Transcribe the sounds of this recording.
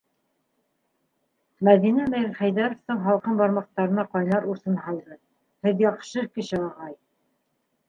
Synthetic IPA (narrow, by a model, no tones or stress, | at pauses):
mæðinæmæjɘχæjðæɾŏft̪ɤɴɦɑlˠqɤmbɑɾmɑqt̪ɑɾɤ̆nɑqɑjnɑɾuɾθɤnhɑlˠd̪ɤ | hɘðjɑqʃɤkɘ̆ɕɘɑʁɑj